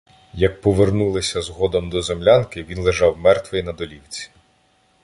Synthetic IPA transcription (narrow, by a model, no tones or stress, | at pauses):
jɐk̚pɔʋernulˠɪsʲɐzɦɔd̪ɔmd̪ɔzemlʲankɪʋʲinlˠeʒɑwmɛrt̪ʋɪnɐd̪ɔlʲiwt͡sʲi̥